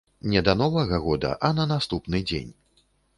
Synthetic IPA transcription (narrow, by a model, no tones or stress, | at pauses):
nʲɛd̪ɐnɔvɐɣɐɣɔd̪ɐ̰ʔɐnɐnast̪upnɨd͡zʲḛnʲ